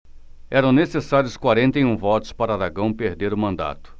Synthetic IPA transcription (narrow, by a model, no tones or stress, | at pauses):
ɛɾɐ̃w̃nesesaɾjʊskwaɾẽnt̪ejũvɔt̪ʊ̥spaɾɐaɾaɡɐ̃w̃peɾd̪eɾʊmɐ̃nd̪a̰t̪ʊ̥